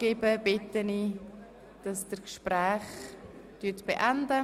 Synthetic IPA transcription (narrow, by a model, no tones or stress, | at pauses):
ɡ̥ebəbɪtəni | d̥ɑsd̥əkʃpɾɛːχ | tytb̥eʔandə